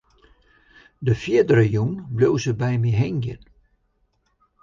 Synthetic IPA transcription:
dəfiədəɾəjunblowsəbɛjmiɦɛŋɡjə̰n

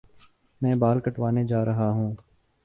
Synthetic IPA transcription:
mɛ̃ːbaːlkɐʈʋaːned͡ʒaːɾɐɦaɦũː

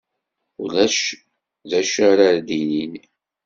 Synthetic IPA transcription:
ulæʃ | ðæʃaɾaɾd̪inin

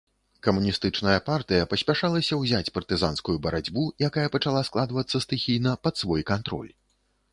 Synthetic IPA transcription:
kɐmunʲist̪ɨt͡ʂnɐjɐpart̪ɨjɐpɐsʲpʲaʂalˠɐsʲɐwzʲat͡sʲpɐrt̪ɨza̰nskujubɐɾad͡zʲbujakajɐpɐt͡ʂalˠasklˠad̪vɐt̪sːɐst̪ɨxʲijnɐpɐt̪svɔjkant̪ɾɔ̰lʲ

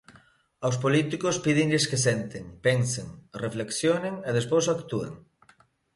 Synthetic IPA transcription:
aws̬polit̪ikospiðeŋʎeskesent̪eŋpeŋseŋrefleksjoneŋeð̞espowsakt̪uḛŋ

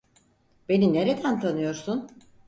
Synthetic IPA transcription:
b̥e̞nine̞ɾe̞d̪ænt̪ʰanɯjo̞ɾsun

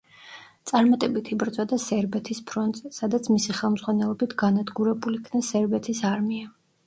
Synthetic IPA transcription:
t̪sʼaɾmat̪ʼɛbit̪ʰibɾt̪sʼwad̪asɛɾbɛt̪ʰispʰɾɔnt̪ʼzɛsad̪at̪sʰmisiχɛlˠmzʁwanɛlˠɔbit̪ʰɡanad̪ɡuɾɛbulikʰnasɛɾbɛt̪ʰisaɾmia

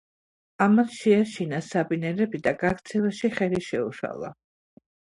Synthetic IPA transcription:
amasʃɛaʃinasabinɛɾɛbid̪aɡakt̪sʰɛvaʃiχɛliʃɛuʃa̰lˠa̰

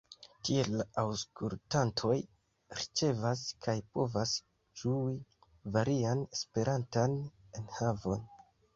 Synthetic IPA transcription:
tie̞lːaʔawskultantʰo̞j | ɾit͡ʃe̞vaskʰajpo̞vas | d͡ʒui | vaɾiane̞spe̞ɾʔantane̞nhavo̞n

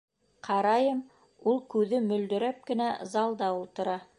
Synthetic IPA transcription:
qʰɑɾɑjɤm | ulˠkʉðɘmɵ̆ld̪ɵ̆ɾæp̚kɘ̆næzɑlˠd̪ɑulˠt̪ɤ̆ɾɑ

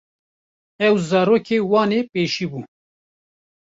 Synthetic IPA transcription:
ɛwzɑːɾoːkʰeːwɑːneːpeːʃiːbuː

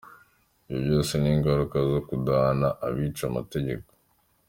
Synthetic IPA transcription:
ijobjo̞ːseniːŋɡaɾukazo̞kudanaʔaβiːt͡ʃama̰te̞ɟe̞̰ko̥

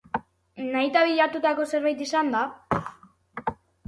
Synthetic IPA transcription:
najt̪aβiʎat̪ut̪ako̞se̞ɾβajt̪isand̪a

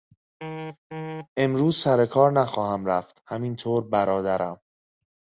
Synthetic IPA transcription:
ʔe̞mɾuːzsæɾekʰɒːɾnæxɒːhæmɾæft̪hæmint̪ʰoːɾbæɾɒːd̪æɾʔæm

